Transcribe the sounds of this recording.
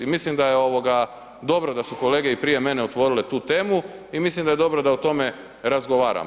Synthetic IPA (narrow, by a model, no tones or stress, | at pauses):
imislimd̪ajeo̞ʋo̞ɡa | d̪o̞bɾod̪asuko̞leːɡe̞ipɾije̞me̞ne̞ot̪ʋo̞ɾile̞t̪uːt̪e̞ːmuimislimd̪aje̞d̪o̞bɾod̪aut̪o̞me̞ | ɾazɡo̞ʋa̰ːɾa̰